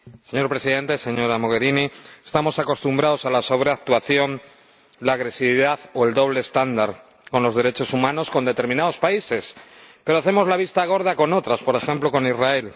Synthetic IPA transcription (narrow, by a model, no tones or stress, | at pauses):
se̞ɲo̞ɾpɾe̞siðẽ̞nt̪ese̞ɲo̞ɾamo̞ɣe̞ɾiniest̪amo̞sako̞st̪umbɾao̞salaso̞β̞ɾe̞ak̚t̪waθjo̞n | laːɣɾe̞siβiðaθo̞e̞ld̪o̞β̞le̞ːst̪and̪aɾ | ko̞nlo̞zðe̞ɾe̞t͡ʃo̞sumãno̞sko̞nd̪e̞t̪e̞ɾmĩnaðo̞spaise̞spe̞ɾoaθe̞mo̞zlaβ̞ist̪aɣ̞o̞ɾð̞ako̞no̞t̪ɾaspo̞ɾe̞xe̞mploko̞nizrae̞l